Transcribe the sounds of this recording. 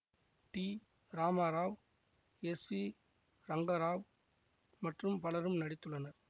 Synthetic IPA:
ʈi | ɾaːmaːɾaːʋ | ɛsʋi | ɾɐŋɡɐɾaːʋ | mɐʈrɯmpɐlɐɾɯmnɐɽɪt̪ːɯɭːɐnɐɾ

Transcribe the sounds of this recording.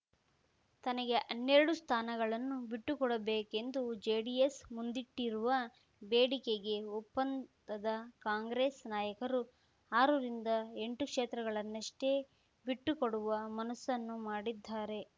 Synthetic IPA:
t̪ɐnɐɡe̞ʔɐnːeɾɐɽust̪ʰaːnɐɡɐɭɐnːubiʈːukɔɽɐbeːke̞nd̪ud͡ʒeːɽijesmund̪iʈːiɾuʋɐ | beːɽikeɡe̞upːɐnd̪ɐd̪ɐkaːŋɡɾeːsnaːjɐkɐɾu | aːɾuɾind̪ɐe̞ɳʈukʂeːt̪ɾɐɡɐɭɐnːɐʂʈe̞ | biʈːukoɽuʋɐmɐnɐsːɐnːumaːɽid̪ʱːaːɾe̞

